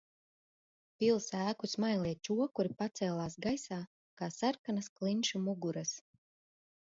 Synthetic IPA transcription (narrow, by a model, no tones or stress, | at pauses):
pʲilˠsæːkusmajlˠʲiɛt͡ʃuɔkuɾipat̪sɛːlˠaːsɡajsaː | kaːsaɾkanasklˠinʃumuɡuɾɐs